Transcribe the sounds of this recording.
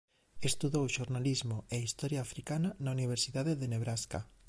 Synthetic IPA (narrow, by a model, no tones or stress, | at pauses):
est̪uðowʃoɾnalizmoeist̪ɔɾjaːfɾikananauniβ̞eɾsiðaðeðeneβɾaska̰